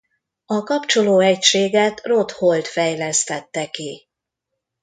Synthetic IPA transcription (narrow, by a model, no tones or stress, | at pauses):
ɒkɒpt͡ʃo̞loːɛcʃeːɡɛt̪ro̞t̪ho̞lt̪fɛjlɛst̪ɛt̪ːɛki